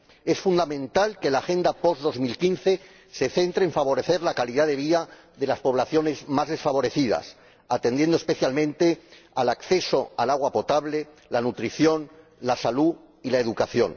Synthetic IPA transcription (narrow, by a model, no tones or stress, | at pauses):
e̞sfund̪amẽ̞nt̪alke̞laːxe̞nd̪apo̞zðo̞zmilkinθe̞ | se̞θe̞nt̪ɾeːɱfaβo̞ɾe̞θe̞ɾlakaliðaðe̞β̞ia | ðe̞laspo̞β̞laθjo̞ne̞zmazðe̞sfaβo̞ɾe̞θiða̰s | at̪end̪je̞nd̪oespe̞θjalmẽ̞nt̪e̞ | alakθe̞so̞alaɣ̞wapo̞t̪aβle̞ | lanut̪ɾiθjo̞n | lasalu | ilaeðukaθjo̞̰n